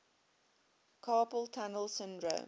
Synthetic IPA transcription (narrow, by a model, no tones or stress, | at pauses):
kʰɑːpəlˠtʰanəlˠsɪ̃ndɹo̰